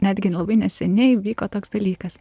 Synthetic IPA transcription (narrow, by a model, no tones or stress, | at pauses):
nʲæːd̪ʲɡʲɪlˠɐbɐɪnʲɛsʲɛnʲɛɪʋʲiːkoːt̪oːksd̪ɐlʲiːkɐs